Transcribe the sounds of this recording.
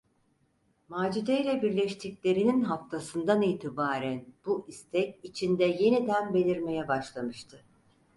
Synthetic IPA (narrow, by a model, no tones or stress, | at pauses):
maːd͡ʒid̪ejlʲɛbiɾlʲɛʃt̪ʰiclʲe̞ɾininɦaft̪ʰasɯnd̪aniːt̪ʰibaːɾænb̥uʔist̪ʰɛcit͡ʃʰind̪ɛje̞nid̪ænbe̞lʲiɾme̞jɛbaʃlˠamɯʃt̪ʰɯ